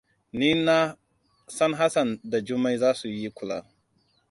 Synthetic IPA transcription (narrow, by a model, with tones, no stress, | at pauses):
ni˦na˦ | sa˦nɦa˦sa˨nda˨d͡ʒu˦ma˦jzaː˦su˨ji˦kʷʊ˨la̰˨